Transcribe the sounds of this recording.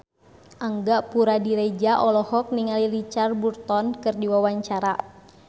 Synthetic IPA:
ʔaŋɡaʔpuɾadiɾed͡ʒaʔɔlɔhɔk̚niŋalilit͡ʃarburt̪ɔnkɨrdiwawaɲt͡ʃaɾa

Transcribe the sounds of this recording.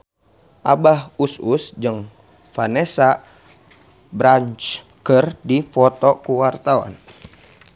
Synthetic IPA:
ʔabahususd͡ʒəŋ | fanesa | bɾant͡ʃ | kərdifɔt̪ɔkuwart̪awa̰n

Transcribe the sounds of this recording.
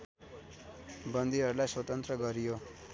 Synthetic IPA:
bʌnd̪iɦʌɾulajswʌt̪ʌnt̪rʌɡʌɾijo

